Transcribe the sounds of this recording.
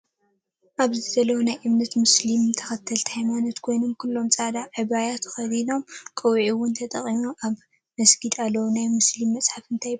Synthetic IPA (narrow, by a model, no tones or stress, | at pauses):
ʔaβzɨzɐlɐwunajʔɨmnɐt̪mʊslimt̪ʰɐxɐt̪ʰːɐlt̪ʰhajmanot̪kʰo̞jno̞mkʰulːo̞mt͡sʼad̪aʕɨβajat̪ʰɨ̥xɐd̪ino̞mkʼɐwʕiwʊnt̪ʰɐt̪ʼɐχʼimoʔaβ | mɐsɡid̪alːɐwunajmuslimːɐt͡sʼħafɨnt̪ʰaj